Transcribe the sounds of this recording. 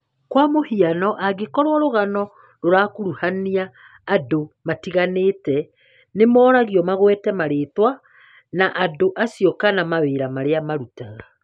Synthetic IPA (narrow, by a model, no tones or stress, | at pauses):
kwamohianɔʔaɡekɔɾwɔɾoɣanɔ | ɾoɾakoɾuhaniaː | domatiɣaneːtɛ | nemɔːɾaɣiɔmaɣwɛtɛmaɾeːtwa | naʔadoʔasiɔkanamaweːɾamaɾeamaɾutaɣa